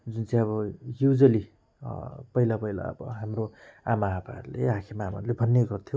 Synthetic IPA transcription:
d͡zunt͡saj̃ʌβʌjud͡zʌlḭ | pʌilapʌjla̰ʌ̰bʌ̰ɦamroamaɦapa̰ʌ̰ɾulḛakʰemaːma̰ɾulebʱʌnːeɡʌrt̪ʰjo

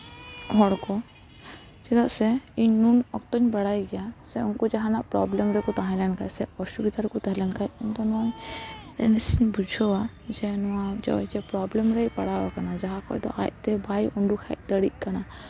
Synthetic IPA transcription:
ɦɔɽkɔ | t͡ʃɛd̪aʔsɛiɲnunɔk̚t̪ɔɲbaɽajɡɛjasɛunkɔd͡ʒaɦanaʔpɾɔblɛmɾɛkɔt̪aɦãjlɛnkajsɛɔsubid̪aɾkut̪ɛɦlɛnkajunt̪ɔnɔjɛ̰nɛsiɲbud͡ʒʱɔwa | d͡ʒɛnɔwad͡ʒɔ̰ɔ̰d͡ʒɛpɾɔblɛmɾɛjpaɽabakanad͡ʒaɦakɔ̰ʔd̪ɔ̰ʔa̰jt̪ɛbajɔɳɖukʰɛ̰ʔ̚ˀd̪əɽiʔ̚ˀkana

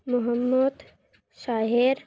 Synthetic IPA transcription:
mʊɦəmːəd̪ | ʃaːɦeɾ

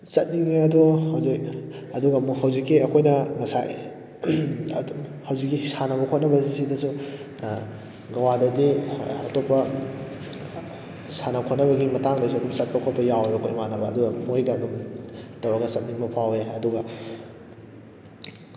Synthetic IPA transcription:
sɐt̚niŋeɐduhɐwzik̚ | ɐduɡɐmhɐwzikːiɐkʰojnɐŋɐsa̰j | hɐwzikːisanɐbɐkʰot̚nɐbɐsisidɐsu | ɡɐwadɐdiɐ̰topːɐ | sanɐkʰot̚nɐβɐɡimɐtaŋdɐsuɐdumsɐt̚kɐkʰot̚pɐjaweɐkʰojmanɐbɐːduɡɐmojɡɐːdumtɐwɾɐɡɐsɐt̚niŋbɐpʰaweɐduɡɐ

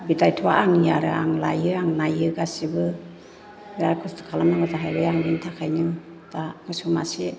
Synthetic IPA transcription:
bitajtʰua̰ʔaŋjaɾɯa̰ŋlajɯaŋnajɯɡasibɯ | biɾaɾkʰɯstʰɯ̥kʰalamnaŋɡataɦajbajaŋnintʰakʰajnɯ | takɯsumasi

